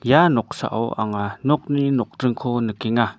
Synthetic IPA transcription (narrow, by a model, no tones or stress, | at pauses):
janɔk̚sa̰ʔɔ̰wʔa̰ŋanɔk̚ninɔk̚dɯŋkʰɔnəkiŋa